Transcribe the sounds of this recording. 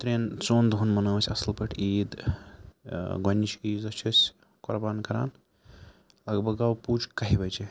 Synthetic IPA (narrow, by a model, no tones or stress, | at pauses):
t̪ɾeːnt͡sond̪ʱunmɐnoːwsʲɐslpɐʈʰiːd̪ | ɡɐnt͡ʃʰkiːzɐt͡ʃʰɐsʲ | kɔɾbaːnkɐɾa̰ːn | lɐɡbʱɐɡɐwpuːt͡ʃkɐɦibɐt͡ʃʰe